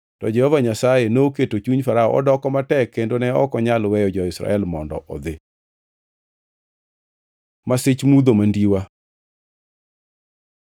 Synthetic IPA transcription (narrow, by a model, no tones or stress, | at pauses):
tɔd͡ʒɛhɔvaɲasajenoketot͡ʃuɲfaɾaɔ̰ʔɔ̰dɔkɔmatɛkːendonɛɔkɔɲalwɛjɔd͡ʒɔɪsɾa̰ɛlmɔndɔ̰ʔɔ̰d̪ɪ | masɪt͡ʃmud̪omandiwa